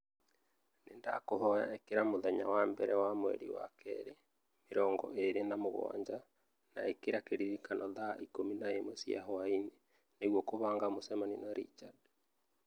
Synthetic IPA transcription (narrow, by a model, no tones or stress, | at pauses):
nendakoɦɔja̰ekeɾamoðaɲawambɛɾɛwamwɛ̰ɾḭwa̰kɛ̰ɾe | meɾɔːŋɡɔ̰eɾenamoɣwa̰ɲd͡ʑa | na̰ekeɾakeɾiðikanʔɔðaʔikominaemosia̰ɦwaine | neɣwɔkoβaːŋɡamosɛmaninaɾḭt͡ʃad